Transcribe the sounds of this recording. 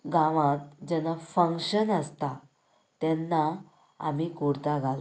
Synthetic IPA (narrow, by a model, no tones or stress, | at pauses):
ɡãʋãt̪̚d͡ʑɛnafə̃ŋkɕənəst̪a | t̪ɛnːa | a̰mikuɽt̪aɡʱala